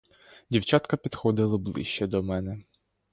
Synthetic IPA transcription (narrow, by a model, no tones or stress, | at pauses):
dʲiwt͡ʃɑt̪kɐpʲid̪xɔd̪ɪlˠɪblˠɪ̰ʃt͡ʃɛd̪ɔmɛnɛ